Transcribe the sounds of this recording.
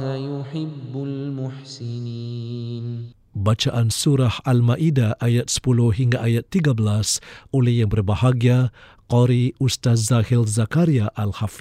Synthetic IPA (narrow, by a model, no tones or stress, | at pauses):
ajʊħɪbːʊlmʊħsɪniːn | bat͡ʃaʔansuɾahalmaʔidaʔajat̪̚sə̥pulʊhɦiŋɡaʔajat̪ːiɡabəlasolɛhjaŋbərbahaɡia | qɔɾiust̪azahilzakaɾiaʔalhafi